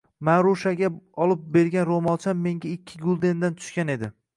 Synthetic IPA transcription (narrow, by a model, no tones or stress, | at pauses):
manɾoʃaɡʲaɒlˠɪp̚be̞ɾɡʲanɾomɒlˠt͡ʃʰamːe̞ŋɡʲaɪkʲʰːɪɡʊlˠd̪e̞nd̪ant̪ʰʊ̥ʃkʲane̞d̪ɪ